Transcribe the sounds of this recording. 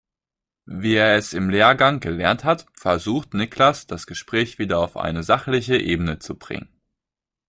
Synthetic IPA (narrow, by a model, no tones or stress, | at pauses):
viːeːɐɛsɪmleːɐɡaŋɡəlɛɐnthatfɛɐzuːxtnɪklasd̥asɡ̥əʃpʁ̥ɛːçv̥iːdɐaʊfʔa̰ɪnəzaχlɪçəʔeːbənət͡sub̥ʁɪ̰ŋən